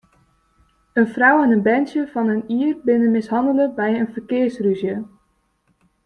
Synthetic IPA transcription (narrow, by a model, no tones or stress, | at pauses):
ənfrawɛnənbɛnsjəfɑnəniərbɪnənmɪsɦɑndələbɛjənfərkɪərsryzjə